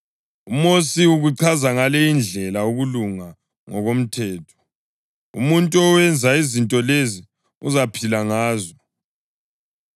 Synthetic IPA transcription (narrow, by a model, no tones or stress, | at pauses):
umosiuɣuǀʰazaŋalɛind͡ɮʱɛlauɣuluŋa | ŋɔɣom̩tʰɛːtʰɔ̥ | ṵmuntʼuɔwɛnd͡zʱaizintʼɔlezi | uzapʰilaŋaːzɔ